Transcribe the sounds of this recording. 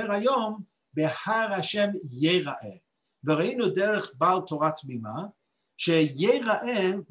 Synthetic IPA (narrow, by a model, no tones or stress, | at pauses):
ɛɾhajom | behaɾhaʃɛmjeʁaʔɛ | vəʁainudɛʁəχbalˠtʰoʁatmima | ʃɛjeʁaʔɛ